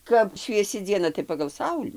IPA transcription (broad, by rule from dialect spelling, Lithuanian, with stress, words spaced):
ˈkɐp ʃʲʋʲiɛˈsʲɪ d͡zʲiɛˈnɐ tɐɪ pɐɡɐlˠ ˈsɐʊlʲiː